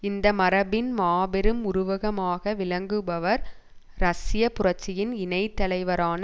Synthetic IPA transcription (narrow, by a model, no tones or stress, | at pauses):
ɪnd̪ɐmɐɾɐbɪnmaːbɛɾɯmʊɾʊʋɐɣɐmaːɣɐʋɪlɐŋɡɯbɐʋɐɾ | ɾɐsɪjɐpʊrɐt͡ʃːɪjɪnɪnɐɪt̪ːɐlɐɪʋɐɾaːn